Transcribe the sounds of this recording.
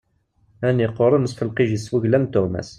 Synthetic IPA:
ænːiqːoɾˤənəsfəlqiʒiswuʝlænt̪ʊɾmæ̰s

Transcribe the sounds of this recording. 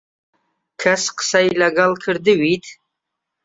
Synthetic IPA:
kʰasqə̥sajlaɡalkʰəɾd̪ɨwit̪

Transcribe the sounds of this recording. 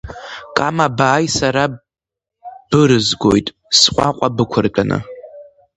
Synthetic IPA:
kʼamabaːjsaɾa | b̥ɨɾɨzɡojtʼ | sqʷʼaqʷʼabɨkʷʰʊrkʲʼanɨ̰

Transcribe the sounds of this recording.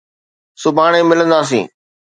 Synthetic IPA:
sʊbʱaːɳ̃ẽːmɪlə̃nd̪aːs̬ḭ̃ː

